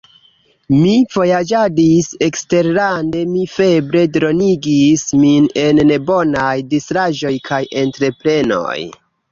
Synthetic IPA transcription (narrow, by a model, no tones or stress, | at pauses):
miv̥o̞jad͡ʒadise̞kste̞ɾɾande̞mife̞bɾe̞dɾo̞niɡismine̞nːebo̞najdistɾaʒo̞jkʰajʔe̞ntɾe̞pɾe̞no̞̰j